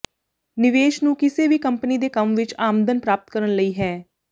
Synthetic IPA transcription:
nɪʋeːʃnũːkɪseːʋiːkəmpniːd̪eːkəmʋɪt͡ʃaːmd̪ənpɾaːp̚ət̪kəɾənləiːɦɛː

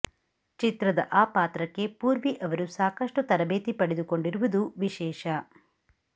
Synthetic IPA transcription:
t͡ʃit̪ɾɐd̪ɐʔaːpaːt̪ɾɐkːe̞puːɾʋiʔɐʋɐɾusaːkɐʂʈut̪ɐɾɐbeːt̪ipɐɽed̪uko̞ɳɖiɾuʋud̪uʋiʃɛːʃɐ

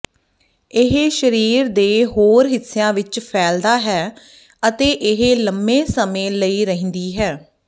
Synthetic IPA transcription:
ɪɦeʃəɾiːɾd̪eːɦoːɾɦɪsːejãːʋɪt͡ʃpʰɛːld̪aːɦɛː | ət̪eːʔɪɦeləmbẽːsəmẽːləiːɾəɦə̃nd̪iːɦɛː

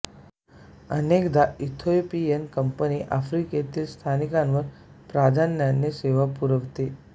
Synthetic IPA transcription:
ənekd̪ait̪ʰopienkəmpəniʔafɾiket̪iːlst̪ʰanikãnʋəɾ | pɾad̪ʱanːanːeseʋapuɾəʋt̪e

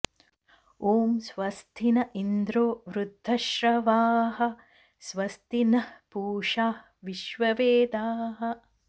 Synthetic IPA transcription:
oːmsʋɐst̪ʰinɐʔind̪ɾoːʋɾud̪ʱːɐʃɾɐʋaːɦɐ | sʋɐst̪inɐpuːʂaː | ʋiʃʋɐʋeːd̪aːɦɐ

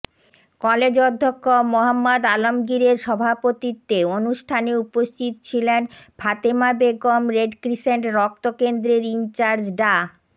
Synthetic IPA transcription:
kɔled͡ʑod̪ʱːokːomoɦamːad̪alomɡiɾeɾʃɔbʱapot̪it̪ːeonuʃʈʰaneupost̪ʰit̪o̥t͡ɕʰilenbʱat̪emabeɡomɾeɖkɾiʃeɳʈɾɔk̚t̪okend̪ɾeɾint͡ɕaɾd͡ʑɖa

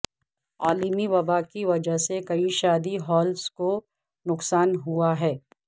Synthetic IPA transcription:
aːlimiʋɐbakiʋɐd͡ʒəɦsekɐiʃaːd̪iɦɔːlsko | nʊqsaːnɦuaɦɛː

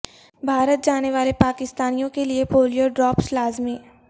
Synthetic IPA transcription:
bʱaːɾət̪̚d͡ʒaːneʋaːlepaːkɪst̪aːnijõkeliepoːlijoɖɾɔːpslaːzmiː

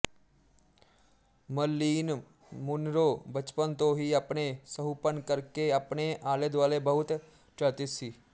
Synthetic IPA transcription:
məlːiːn | mʊnɾoːbət͡ʃpənt̪õːɦiːapneːsəɦuːpənkəɾkeəpneːʔaːleːd̪ʋaːleːbəɦʊt̪ | ʈət̪ɪsiː

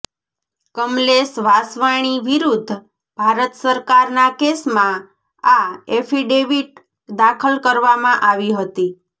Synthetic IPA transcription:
kəmlesʋasʋaɽ̃iʋiɾud̪ʱː | b̥ʱaɾət̪səɾkaɾnakesmã | aefiɖeʋiʈ̚ | d̪akʰəlkəɾʋamãʔaʋiɦət̪i

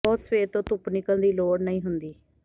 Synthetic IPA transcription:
ɔːt̪sʋeːt̪õːt̪ʊpnɪkəld̪iːloːɽnəĩːɦʊnd̪iː

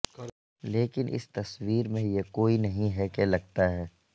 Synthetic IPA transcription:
leːkɪnʔɪ̰st̪ɐswiːɾmẽjekoːinɐɦĩɦɛkelɐɡ̚t̪aɦɛː

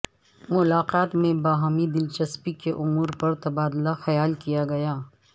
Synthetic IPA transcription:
mʊlaːqaːt̪mẽbaːɦaːmid̪ɪlt͡ʃɐspikeʔʊmuːɾpɐɾt̪ɐbaːd̪laxɐjaːlkijaɡɐjaː

